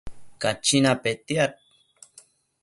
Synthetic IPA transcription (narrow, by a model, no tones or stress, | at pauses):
kat͡ʃinapet̪jat̪̚